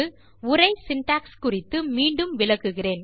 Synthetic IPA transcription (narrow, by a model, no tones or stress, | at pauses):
ɯ | ʊrɐɪsɪnʈaːkskʊrɪt̪ːɯmiːɳɖɯmʋɪlɐɣɯɣɪreːn